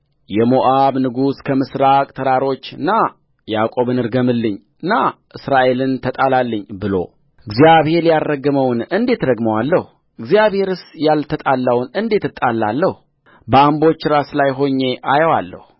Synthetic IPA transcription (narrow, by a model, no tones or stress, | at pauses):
jɛmoʔaβnɨɡuskʰəmɨsɾakʼt̪ʰəɾaɾo̞t͡ʃːɨnːa | jakʼo̞βɨnɨɾɡəmɨlːɨɲ | ɨnːaʔɨsɾaʔe̞lɨnt̪ʰət̪ʼalalːəɲːbɨlo̞̰ | ɨɡzijaβhe̞ɾjarːəɡəməwnɨnd̪e̞t̪d̪əɡməwalːəhu | ɨɡzijaβhe̞ɾɨsjalt̪ʰət̪ʼalːəwnɨnd̪e̞t̪ɨt̪ʼːalːalːəh | bəambo̞t͡ʃːɾaslajɦo̞ɲːe̞ʔajəwalːə̰hu